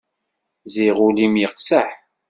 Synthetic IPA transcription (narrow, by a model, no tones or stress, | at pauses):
ziʁulimjəqsəħ